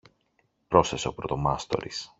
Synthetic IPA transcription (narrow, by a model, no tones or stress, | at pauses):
pɾo̞sθe̞seo̞pɾot̪o̞mɐst̪o̞̰ɾis